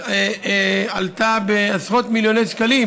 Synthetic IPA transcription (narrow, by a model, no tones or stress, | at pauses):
alt̪abeasʁo̞t̪miljo̞nejʃkali